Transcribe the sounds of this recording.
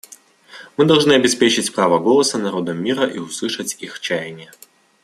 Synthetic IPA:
mɨd̪ɐlˠʐnɨɐbʲɪspʲet͡ɕɪt͡sʲpɾavəɡolˠəsənɐɾo̞d̪əmʲːiɾəʔiʊslˠɨʂət͡sʲixt͡ɕæjɪnʲɪjə

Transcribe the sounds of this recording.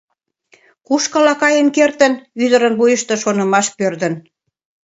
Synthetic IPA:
kuʃkɑlɑkɑjənkert̪ə̆nyd̪əɾənβujəʃt̪ĕʃonə̆mɑʃpørd̪ə̆n

